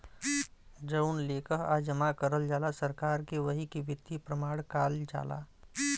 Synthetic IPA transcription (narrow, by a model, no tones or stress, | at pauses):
d͡ʒəʊnleːkəɦa̰d͡ʒəmakəɾəld͡ʒaːlasəɾkaːɾkeʋəɦikiʋɪd̪ipɾəmaːɽkaːld͡ʒa̰ːla̰ː